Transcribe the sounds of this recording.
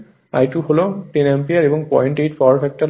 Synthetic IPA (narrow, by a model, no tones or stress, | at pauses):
a̰jʈuholoʈinempiaɾebɔŋpɔjɳʈeʈfʰɔɹfɛk̚ʈa